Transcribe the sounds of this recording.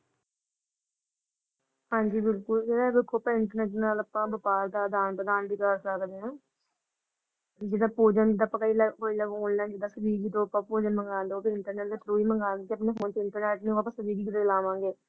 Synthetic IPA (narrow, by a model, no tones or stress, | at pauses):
hãːɲd͡ʒiːbɪlkʊld͡ʒeːɽaːbɪlkoːpɛɪɳʈəɾnɛːʈnaːləpãːbəpaːɾd̪aːd̪aːnpəd̪aːnbiːkəɾsəkd̪eːãː | d͡ʒɪd̪aːpoːd͡ʒənd̪aːpəkəiːləoiləɡɦoːnlɛ̃ːd͡ʒɪd̪aːsəb̪iːɡiːd̪oːəpãːpoːd͡ʒənməŋɡaːnd̪oːpiɪɳʈəɾnɛːʈd̪eːʈɾoːiːməŋɡaːnd̪ːt̪eəpneːfʰoːnt̪eɪɳʈəɾnɛːʈnĩːaːpãːsəbiːɡiːkɪd̪eːlaːʋãːŋɡeː